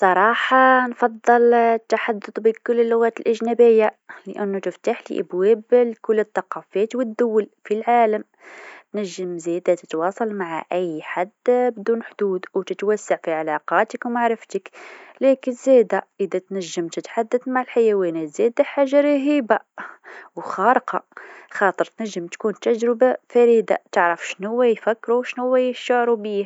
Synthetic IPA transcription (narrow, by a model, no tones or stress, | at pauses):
sˤɑɾˤɑħɑnfɑd̪ˤːɨlt̪ːaħad̪ːʊd̪ˤbikʊlːəlːʊɣæːt̪əlʔəʒnæbəjːaləʔænːut̪əft̪aħlḭʔə̰bwæblkʊlːət̪ˤːɑqɑfæt̪wəd̪ːʊwːəlfilʕaləm | t̪næʒːəmzæd̪at̪ə̥t̪wɑsˤɑlmaʕa̰ʔəjːħad̪bd̪uːnħd̪ud̪wt̪ət̪wasːaʕfiʕalɑqɑt̪əkwmaʕɾəft̪əklækənzæd̪aʔəd̪æt̪næʒːəmt̪ət̪ħad̪ːəd̪maʕəlħajæwinæzæd̪aħaʒːaɾɑɦiba | wxɑɾqɑxɑt̪ˤəɾˤt̪næʒːəmt̪kunt̪æʒɾəbafæɾid̪a̰t̪əʕɾəfʃnuwːæjfækːɾuwʃnuwːæjəʃaʕɾubih